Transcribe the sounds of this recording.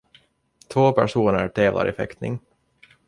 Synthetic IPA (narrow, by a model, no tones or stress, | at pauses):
t̪ʰvoːpʰæʂuːnəɾʈ̪ʰeːvlʔa̰ɾʔɪfɛ̰kt̪nɪŋ